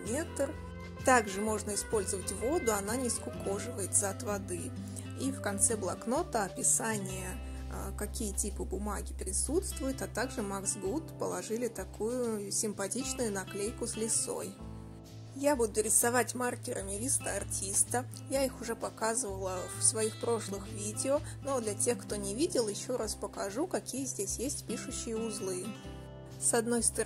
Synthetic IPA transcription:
mʲet̪ər | t̪aɡʐɨmo̞ʐnəɪspo̞lʲzəvətʲvo̞d̪ʊɐnanʲɪskʊko̞ʐɨvəjɪt̪zɐɐt̪vɐd̪ɨ | ifkɐnt̪sɛblˠɐkno̞t̪əɐpʲɪsanʲɪjə | kɐkʲijətʲipɨbʊmaɡʲɪpɾʲɪsut̪st̪vʊjɪt̪ɐt̪aɡʐɨmaksɡut̪pəlˠɐʐɨlʲɪt̪ɐkujʊʊsʲɪmpɐtʲit͡ɕnʊjʊnɐklʲejkʊslʲɪso̞̰j | jabud̪ʊɾʲɪsɐvatʲmarkʲɪɾʔəmʲɪvʲist̪əɐrtʲist̪ə | jaixʊʐɛpɐkazɨvəlˠəfsvɐixpɾo̞ʂlˠɨxvʲidʲɪono̞d̪lʲɐtʲe̞xkt̪o̞nʲɪvʲidʲɪlˠjɪɕːo̞ɾʔaspəkɐʐukɐkʲijəzʲdʲesʲjesʲtʲpʲiʂʊɕːɪjəʊzlˠɨ | sɐd̪no̞jst̪ə

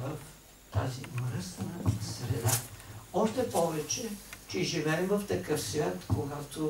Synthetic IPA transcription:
vɐf | t̪a̰zimɾəst̪nəsɾɛd̪aɔʃt̪ɛpɔvɛt͡ʃɛt͡ʃɛʒivɛːmvɐft̪ɐkəfsvʲjat̪koɡat̪o

